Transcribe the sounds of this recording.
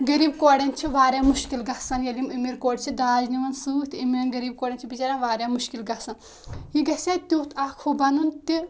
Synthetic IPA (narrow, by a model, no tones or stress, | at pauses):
ɡɐɾiːb̚koːɽʲɐnt͡ʃʰiʋaːɾʲjaːmuʃkilɡɐsɐnjɐlimimiɾkoːɖʲt͡ʃʰid̪aːzniʋɐnsuːt̪imiɾnɡɐɾiːb̚koːɽʲɐnt͡ʃʰibit͡ʃaːɾanʋaːɾjaːmuʃkilɡɐsɐn | jiɡɐsʲɐt̪ut̪ʰakʰhubɐnunt̪i